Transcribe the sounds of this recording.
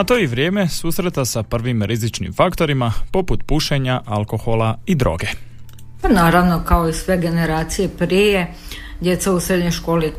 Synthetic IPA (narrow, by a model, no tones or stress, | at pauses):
at̪o̞ːiʋɾje̞ːme̞suːsɾet̪asapr̩ʋimɾizit͡ʃnḭmfakt̪o̞ɾimapo̞put̪puʃeɲaʔalˠko̞xolaid̪ɾo̰ːɡe̞ | panaːɾaʋno̞kaoisʋeɡe̞neɾaːt̪sijepɾije | d̪ʲjet̪sausɾed̪ɲojʃko̞ːli